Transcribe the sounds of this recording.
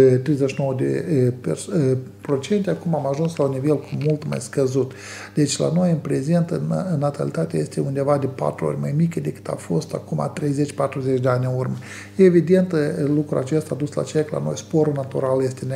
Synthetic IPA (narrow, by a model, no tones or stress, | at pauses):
t̪ɾejzeʃinowəd̪ḛperspɾo̞t͡ʃe̞nt̪ʲeakumamaʒunslaunːivelkʰumult̪ma̰jskəzut̪ | d̪̥e̞t͡ʃʲla̰no̞jɨnpɾe̞ze̞nt̪ɨnɨnːat̪alit̪at̪ea̰je̞st̪eund̪evad̪e̞pa̰t̪ɾuo̞̰rʲmajmikəd̪e̞kɨ̥t̪a̰fo̞st̪a̰kuma̰t̪ɾejze̞t͡ʃʲpat̪ɾuzet͡ʃʲd̪eanʲɨnurmə | jeevid̪e̞nt̪lukɾua̰t͡ʃe̞st̪aːd̪usla̰t͡ʃekla̰no̞̰jspo̞ɾulnat̪uɾalje̞st̪en